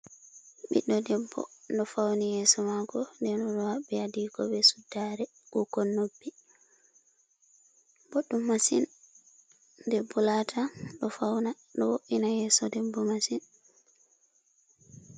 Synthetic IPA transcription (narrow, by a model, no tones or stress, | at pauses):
ɓḭɗːɔdɛbːɔ̰ɗɔfawnijɛsɔmaɡɔndɛnɔɗɔhaɓːɛadikɔbɛsudːaɾɛ | ʔukɔnːobːi | boɗːumːasin | dɛbːɔlatʰaɗɔfawna | ɗɔwoʔinajɛːsɔdɛbːɔmasin